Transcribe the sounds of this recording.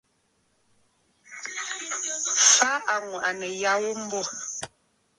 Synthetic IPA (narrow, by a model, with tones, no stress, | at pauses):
fa˦ʔa˨ŋwa˨ʔa˨nɛ˨ja˦wo˦m̩˦bɔ˦˨